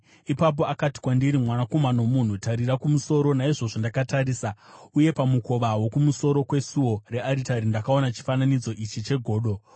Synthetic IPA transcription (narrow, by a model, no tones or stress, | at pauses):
ipap̬o̞akati̥kwandiɾimwanako̞mano̞mun̤utaɾirakumuso̞ɾo̞naiʐo̞ʐondakataɾiːsauje̞pamuko̞ʋawo̞kumuso̞ɾo̞kwe̞suo̞re̞aɾitaɾindakaonat͡ʃi̥fananid͡zo̞ʔit͡ʃit͡ʃe̞ɡʱo̞ːɗo̞